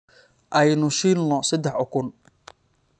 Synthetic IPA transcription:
ʔɐjnʊʃinlɔsɐd̪ɛħɔkʰʊn

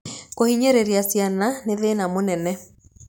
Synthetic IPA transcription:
kohiɲeɾeɾiasjananeðenamonɛnɛ

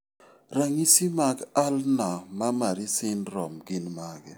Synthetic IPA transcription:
ɾaŋisimaɡalnamamaɾisɪnɾɔmɡɪnmaɡɛ

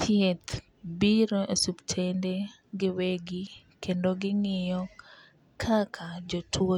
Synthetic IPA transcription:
t̪ʰjet̪ | biɾoʔesuptʰende | ɡɪweɡi | kʰendoɡɪŋɪjɔ | kʰakʰad͡ʒotʰwo

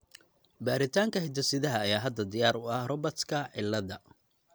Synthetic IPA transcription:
baːɾɪt̪ʰaːŋkʰɐhɪd̪ʰɐsɪðɐɦɐːjaːɦɐd̪ɐd̪ɪjaːɾʊɐhrɔbɐt̪kʰɐʕɪlːɐðɐ

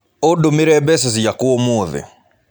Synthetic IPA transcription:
ɔɗumiɾɛbɛsɛzijakuɔmuðḭ

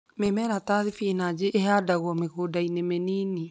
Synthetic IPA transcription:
memɛɾataðifinad͡ʒeʔːɦadaɣwɔmeɣodainemeniːni

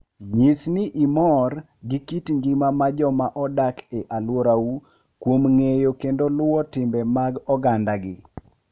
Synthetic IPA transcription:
ɲisniʔimɔr | ɡikitɲd͡ʒimamad͡ʒɔmaʔɔdakeʔalwoɾau | kwomŋejokendolʊɔtɪmbɛmaɡɔɡandaɡɪ̰

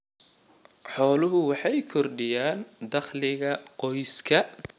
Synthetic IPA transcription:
ħɔːlʊɦʊwɑħɑjkʰɔrɖɪjaːnd̪ɐχlɪɣɐqɔjskʰɐ

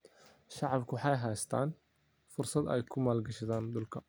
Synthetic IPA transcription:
ʃɑʕɑbkʰʊwħɑjɦɛjst̪ʰa̰ːn | fʊrsɐd̪ɛ̰jkʰʊmaːlɡɐʃɪðaːnd̪ʊlkʰɐ

